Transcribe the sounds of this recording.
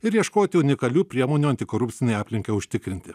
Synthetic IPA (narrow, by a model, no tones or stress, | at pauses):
ɪɾjiɛʃkoːt̪ʲɪʊnʲɪkɐlʲuːpʲɾʲiɛmoːnʲuːɐnʲt̪ʲɪkoːɾʊpʲt̪sʲɪnʲɛjɑːpʲlʲɪŋʲkɐʊʃʲt̪ʲɪkɾʲɪnʲt̪ʲɪ